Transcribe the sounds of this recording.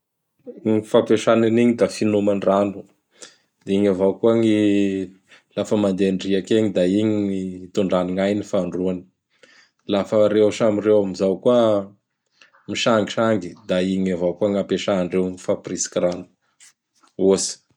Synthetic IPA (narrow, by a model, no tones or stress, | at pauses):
ŋifapeʂananiɲid̪afinumanranu̥ | d̪iɲavawkuaŋi | lafəmand̪eɳɖ͡ʐiakeɲid̪aiɲiit̪uɳɖ͡ʐaniŋajnifaɳɖ͡ʐuani̥ | lafəɾewʃamirewamizawkuə | miʃaŋɡiʃaŋɡid̪aiɲavawkuaŋapeʃananrewŋifaprisi̥kʲiranu̥ | osi̥